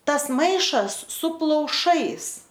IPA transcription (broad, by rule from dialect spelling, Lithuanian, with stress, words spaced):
ˈtɐs ˈmɐɪʃɐs sʊ plˠɐʊˈʃɐɪs